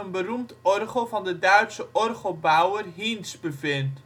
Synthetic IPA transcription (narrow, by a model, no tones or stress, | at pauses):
ənbərumtɔrχəlˠvɑndədœɥtsəʔɔrχəlˠbɑwərɦinsbəvɪnt